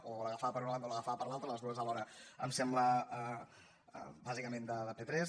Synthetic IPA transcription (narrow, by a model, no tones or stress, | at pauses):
ʔoləɣəfaəpəɾunanoləɣəfaəpəɾlalˠt̪ɾələzðuəzəlɔɾəə̰msɛmbləə̰ | bazikəmẽnd̪əðəpet̪ɾɛz